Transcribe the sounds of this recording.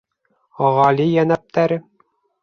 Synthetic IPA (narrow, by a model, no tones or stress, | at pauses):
ɒʁɑlijænæp̚t̪ʰæɾɘ